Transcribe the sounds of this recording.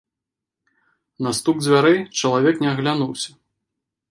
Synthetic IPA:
nɐst̪uɡd͡zʲvʲaɾɛjt͡ʂɐlˠavʲɛknʲɛɐɣlʲanuwsʲɐ̥

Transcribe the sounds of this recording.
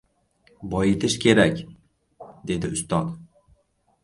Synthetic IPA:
bɒjet̪ʰɪʃkʲʰe̞ɾakʲ | d̪e̞d̪ɪʊst̪ɒt̪

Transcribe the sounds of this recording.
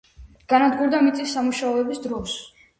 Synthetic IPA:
ɡ̥anad̪ɡuɾd̪amit̪sʼisːamuʃaɔɛbisd̪ɾɔs

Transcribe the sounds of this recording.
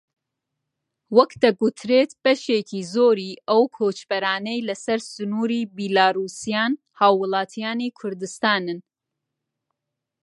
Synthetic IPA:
wɐkd̪ɐɡut̪ʰɾeːt̪b̥ɐʃeːkʰiːzoːɾiːʔɐwkʰoːt͡ʃbɐɾaːnejlɐsɐɾsɨnuːɾiːbilaːɾuːsijaːn | haːwːɨlˠɑːt̪ʰijaːniːkʰʊɾd̪ɨst̪aːnɨn

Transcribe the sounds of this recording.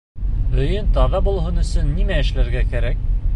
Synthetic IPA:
ɵ̆jɘnt̪ɑðɑbulˠɦɤnɵ̆sɵnːimæɘ̆ʃlæɾɡækæɾæk̚

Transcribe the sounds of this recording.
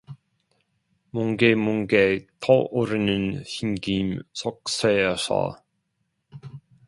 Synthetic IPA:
muŋɡemuŋɡet̪ʰɔoɾɯnɯnçimɡimsʰɔk̚seasa̰

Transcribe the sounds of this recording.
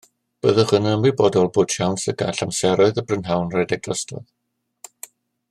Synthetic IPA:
b̥əðəχənəəmibɔdɔlˠboːd̥ʃawnsəɡa̰ɬamsɛɾɔɨðəbrənɦawnrɛdɛɡ̚ləstɔ̰ð

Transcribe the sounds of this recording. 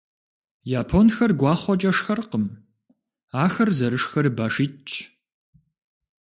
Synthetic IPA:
jaːpʰonxɐrɡʷɑːχʷɔt͡ʃʼɐʂxɐrqəm | aːxɐrzɐɾɨʂxɐrbaːʂiːtt͡ʃʼʰ

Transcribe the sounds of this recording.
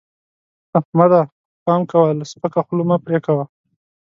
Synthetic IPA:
amad̪a | pɑmkawalspəkaxlumapɾekawa

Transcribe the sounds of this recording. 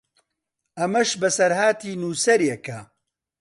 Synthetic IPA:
ʔɐmɐʃbɐsɐɾhaːt̪iːnuːsɐɾjɛkɐ

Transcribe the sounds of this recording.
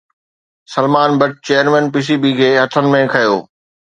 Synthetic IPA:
sɐlmaːnbɐʈ̚t͡ɕeːəɾmɛ̃ːnpiːs̬ibiːkʰeːɦɐt̪ʰənɪ̆mẽkʰɐjo̰ː

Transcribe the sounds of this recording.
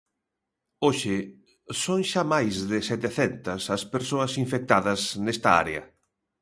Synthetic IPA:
oʃɪ | soŋʃamajzðɪsɛt̪eθɛnt̪ɐsɐspeɾsoɐsiɱfek̚t̪aðɐsnest̪ɐa̰ɾḛɐ̰

